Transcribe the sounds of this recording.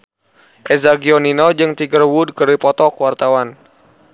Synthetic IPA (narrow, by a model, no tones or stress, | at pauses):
ʔɛzaɡiɔninɔd͡ʒɨŋt̪iɡərwud̚kəɾipɔt̪ɔkwart̪awan